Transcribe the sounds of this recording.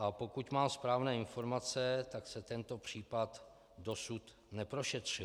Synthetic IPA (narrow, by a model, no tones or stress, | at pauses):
ʔapo̞kucmaːmspɾaːvnɛːɪnfo̞ɾmat͡sɛt̪aksɛt̪ɛnt̪o̞pr̝̥iːpat̪ | do̞sut̪ | nɛpɾoʃɛt̪r̝̥ɪ